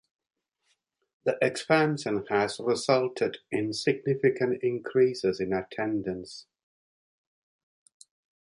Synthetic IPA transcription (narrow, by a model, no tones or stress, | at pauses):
ðiʔɛkspãnʃə̃nəzɹɪzʌlˠtʰɪdɪ̃nsɪɡ̚nɪfɪkə̃ntɪ̃ŋkʰɹ̥isɪzɪ̃nətʰɛ̃ndə̃ns